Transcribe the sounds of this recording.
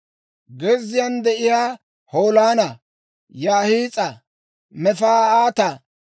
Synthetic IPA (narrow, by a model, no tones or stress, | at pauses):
ɡɛzːɪjand̪ɛʔɪjaː | ho̞ːlaːnɐ | jaːhiːt͡sʼɐ | mɛfaːaːt̪ɐ